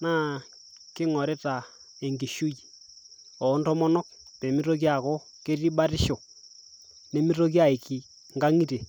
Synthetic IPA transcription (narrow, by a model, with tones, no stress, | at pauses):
naː˦ | kɪ˦ŋɔ˨ɾe˦ta˨ | e˨ŋɡi˨ʃu˦ji˨ | ɔ˨˦ntɔ˦mɔ˦nɔ˦k̚ | pe˨mi˦ɾo˦k̬ja˨kɔ˦ | ke˦ti˦ba˦ɾɪ˦ʃɔ˨ | ne˨mi˦ɾo˦k̬ja˨i˨ki˨ | ŋɡa˦ŋi˦te˨